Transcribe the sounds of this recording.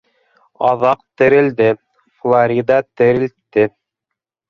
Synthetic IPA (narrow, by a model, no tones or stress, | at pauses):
ɑðɑq̚t̪ɘ̆ɾɘ̆ld̪ɘ | flˠaɾʲid̪ɑt̪ɘ̆ɾɘ̆lt̪ːɘ